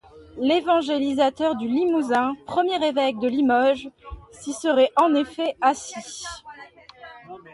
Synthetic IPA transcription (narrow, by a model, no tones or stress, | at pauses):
levɑ̃ʒelizat̪œʁd̪ylimuzɛ̃pχəmjɛʁevɛk̚d̪əlimɔʒsisəʁɛʔɑ̃nefɛasi